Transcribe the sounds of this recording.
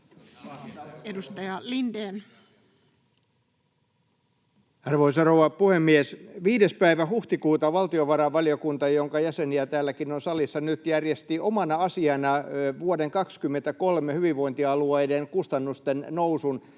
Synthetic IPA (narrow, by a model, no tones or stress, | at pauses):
edust̪ɑjɑlindeːn | ɑrʋoisɑrowʋɑpuhemːiesʋiːdespæiʋæhuht̪ikuːt̪ɑʋɑlt̪ioʋɑɾɑʋʋɑliokunt̪ɑjoŋkɑjæseniæt̪æːlːækinonsɑlisːɑnyt̪jærjest̪iʔomɑnɑɑsiɑnɑʋuodeŋkɑkskymːent̪ækolmehyʋiʋʋoint̪iɑlueidenkust̪ɑnːust̪ennousun